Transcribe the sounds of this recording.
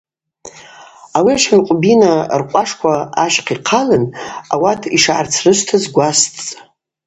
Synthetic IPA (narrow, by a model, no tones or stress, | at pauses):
awiaʃanqʷʼbinarqʷʼaʂkʷʰaːʃqʰiqʰalɨna̰watʰiʂʕart͡sʰrɨʃʷtʰazɡʷast͡sʼ